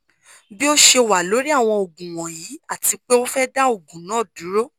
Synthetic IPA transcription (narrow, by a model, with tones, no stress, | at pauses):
bi˦o˦ʃe˧˨wa˨lo˨˦ɾi˦a˦˨w̃ɔ̃˧o˨ɡũ˨w̃ɔ̃˨ji˨˦a˦˨ti˧k͡pe˦o˦fɛ˦da˦o˦˨ɡũ˨nã˨˦˨dũ˨˦ɾo˦